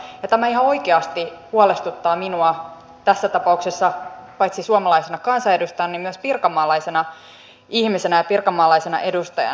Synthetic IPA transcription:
jɑt̪æmæiɦɑo̞ikeɑst̪ihuole̞st̪ut̪ːɑːminuɑ | t̪æsːæt̪ɑpɑuksesːɑpɑjt̪sisuɑmɑlɑisenɑkɑnsɑe̞dust̪ɑjɑnːimmyøspirkɑmːɑːlɑisenɑ | ihmise̞næjɑpirkɑmːɑːlɑisenɑ̰ʔe̞dust̪ɑjɑ̰

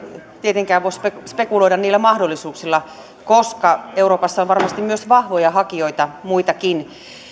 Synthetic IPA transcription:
t̪iet̪eŋkæːʋoispespekuloiɾɑniːlːæmɑhdolːˑisuːksilːɑ | koskɑeuroːpɑsːɑonʋɑrmɑst̪immyøsʋɑhʋojɑhɑkioit̪ɑmuit̪ɑkin

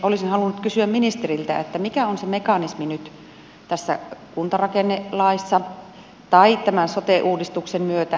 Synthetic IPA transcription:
olisinhɑlunːut̪kysyæmminist̪erilt̪æ̰ḛt̪ːæmikæonsemekɑnisminyt̪ | t̪æsːæ̰kunt̪ɑrɑkenːelɑisːɑ | t̪ɑit̪æmænsot̪eʔuːdist̪uksemmyøt̪æ

